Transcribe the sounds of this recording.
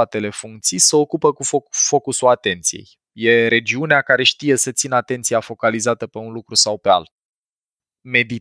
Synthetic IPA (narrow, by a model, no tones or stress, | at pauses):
at̪e̞le̞fuŋk̚t̪sijseo̞kupəkufofo̞kusulat̪e̞nt̪sijḛj | je̞ɾe̞d͡ʒiuneakaɾe̞ʃt̪ije̞sət̪sinəat̪e̞nt̪sijafo̞kalizat̪əpe̞unlukɾusawpe̞a̰lt̪̚ | me̞d̪i